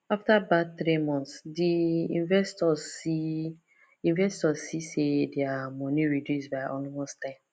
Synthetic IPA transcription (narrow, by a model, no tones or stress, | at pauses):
aftabatθɾimɔ̃nsdiĩnvɛstɔi | ĩnvɛstɔzsisedeamɔ̃niɹidjusbaɪʔɔlimɔstãɪm